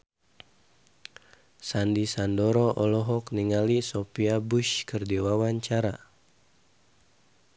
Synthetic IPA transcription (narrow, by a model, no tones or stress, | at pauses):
sandisandɔɾɔʔɔlɔɦɔkniŋalisɔpiabuʃkərdiwawaɲt͡ʃaɾa